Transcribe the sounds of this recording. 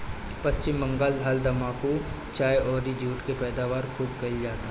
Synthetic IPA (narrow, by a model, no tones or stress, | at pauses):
pɐst͡ʃɪmːɐ̃ŋɡald̪ʱaːld̪ɐmaːko | t͡ʃaːjɔːɾid͡ʒuːʈkepɛːd̪aːʋaːɾkʰuːbɡɐild͡ʒaːt̪a